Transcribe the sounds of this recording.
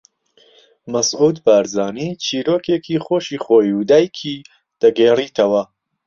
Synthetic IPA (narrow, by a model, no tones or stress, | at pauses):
mɐsʔuːd̪baːɾzaːniːt͡ʃʰiːɾoːkekʰiːχoːʃiːχoːjud̪aːjkʰi | d̪̥ɐɡeːriːt̪ʰɐwɐ